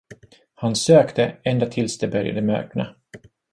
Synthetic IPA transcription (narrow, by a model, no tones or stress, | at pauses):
hansøːkt̪əɛnd̪at̪ʰɪlsd̪ɛbœɾja̰d̪əmœ̰ːkna̰